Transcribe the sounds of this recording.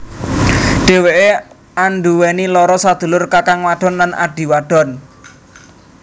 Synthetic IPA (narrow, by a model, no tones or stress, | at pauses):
ɖ̥e̤weʔe | anɖuwenilɔɾɔsad̪̥ṳlʊrkakaŋwaɖ̥ɔ̤nlanʔa̰ɖ̥i̤waɖ̥ɔ̤n